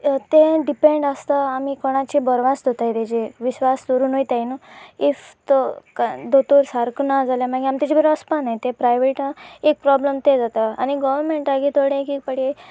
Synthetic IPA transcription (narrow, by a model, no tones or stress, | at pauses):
t̪ẽɖipeɳɖəst̪aamikoɽ̃at͡ɕibəɾʋasd̪ʱot̪ajt̪ed͡ʑeʋiɕʋasd̪oɾuːnojt̪ajnoift̪kad̪ot̪oɾsaɾknad͡zaljamaɡiamit̪at͡ɕibəɾaspanajt̪epɾajʋeʈnəek̚pɾɔbləmt̪ed͡zat̪əañiɡɔʋəɾmeɳʈaɡit̪ʰoɽẽkik̚pəɽe